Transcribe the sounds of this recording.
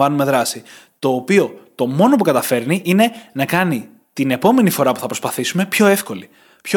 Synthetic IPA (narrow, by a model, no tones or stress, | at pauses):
vɐnume̞ðɾɐsi | t̪o̞ːpio̞t̪o̞mo̞no̞pukɐt̪ɐfe̞ɾniʔine̞nɐkɐni | t̪ine̞po̞me̞nifo̞ɾɐpu̥θɐpɾo̞spɐθisume̞pço̞e̞fko̞li | pço